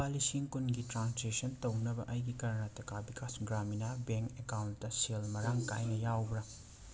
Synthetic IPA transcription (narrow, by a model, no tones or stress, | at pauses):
alisiŋkunɡitɾansesɐntɐwnɐbɐ̰ʔɐjɡikɐɾɐnɐtɐkʰabikʰasɡɾaminabeŋkekawntːɐselmɐɾaŋka̰jnɐjawbɾɐ